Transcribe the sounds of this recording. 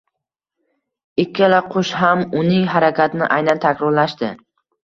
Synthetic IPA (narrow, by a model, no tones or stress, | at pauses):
ɪkʲʰːalaqʰʊʃɦamʊnɪŋɦaɾakʲʰat̪ʰnɪ̰ʔajnant̪ʰakʲɾɒɾlaʃt̪ɪ